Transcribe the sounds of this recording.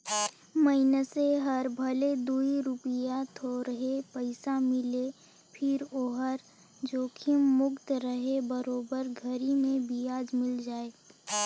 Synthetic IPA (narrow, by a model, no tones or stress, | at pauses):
məɪnəseɦəɾbʱəled̪uːiɾʊpijat̪ʰoɾəɦepəɪsamɪle | pʰɪɾoːɦəɾ | d͡ʒoːkʰɪmːʊkt̪ɾəɦebəɾoːbəɾɡʱəɾimẽbʱiaːd͡ʒmɪld͡ʒaːeː